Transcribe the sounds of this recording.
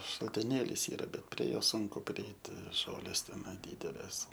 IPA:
ʃɐlʲtʲɪˈnʲeːlʲiːs ˈiːrɐ ˈbʲɛt pʲrʲiɛ ˈjoː ˈsʊŋkʊ pʲrʲɪˈɛɪtʲɪ ˈʒoːlʲeːs tʲɛˈnɐɪ ˈdʲiːdʲɛlʲeːs

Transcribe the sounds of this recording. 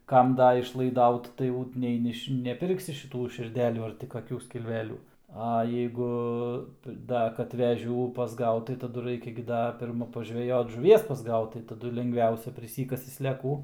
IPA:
ˈkɐm ˈdɐ ɪʃlˠɐɪˈdɐʊt tɐɪ ˈjɛʊ nʲɛɪ ˈnʲɪʃ nʲɛˈpʲɪrksʲɪ ʃʲɪˈtuː ʃʲɪrʲˈdʲæːlʲuː ɐr tʲɪ kɐˈkʲuː sʲkʲɪlʲˈʋʲæːlʲuː ɐ jɛɪˈɡʊ ˈdɐ kɐt ʋʲɛˈʒʲuː pɐzˈɡɐʊt tɐɪ tɐˈdʊ ˈrɐɪkʲɛ ɡʲɪ ˈdɐ pʲɪrˈmɐ pɐʒʲʋʲɛˈjoːt ʒʊˈʋʲiɛs pɐzˈɡɐʊt tɐɪ tɐˈdʊ lʲɛŋɡˈʋʲɛʊsʲɛ pʲrʲɪˈsʲiːkɐsʲɪ sʲlʲɛˈkuː

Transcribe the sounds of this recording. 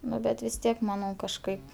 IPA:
ˈnʊ bʲɛt ʋʲɪs ˈtʲiɛk mɐˈnɐʊ kɐʃˈkɐɪp

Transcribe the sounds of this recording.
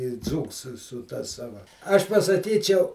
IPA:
ɪ ˈd͡zuːks sʊ sʊ tɐ ˈsɑːʋɐ ˈɐʃ pɐsɐˈkʲiːt͡ʃʲɛʊ

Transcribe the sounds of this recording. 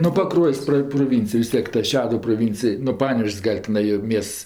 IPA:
nʊ pɐˈkruɔjsʲ ˈprɐ proːˈʋʲɪnʲt͡sʲɪj ʋʲɪs ˈtʲiɛk tɐ ˈʃʲæːdʊw proːˈʋʲɪnʲt͡sʲɪj nʊ ˈpɑːnʲɛʋʲeːʃʲsʲ ˈɡɐlʲ tʲɪˈnɐɪ joː ˈmʲiɛsts

